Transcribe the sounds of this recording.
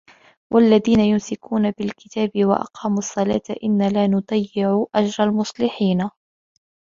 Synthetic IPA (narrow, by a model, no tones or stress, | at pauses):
wʔalːaðiːnajʊnsɪkuːnabɪlkɪt̪aːbɪwa̰ʔɑ̰qɑːmɑsˤːɑla̰ːt̪aʔɪnːalaːnʊd̪ˤɑjːɪʕuʔad͡ʒɾˤɑlmʊsˤlɪħiːna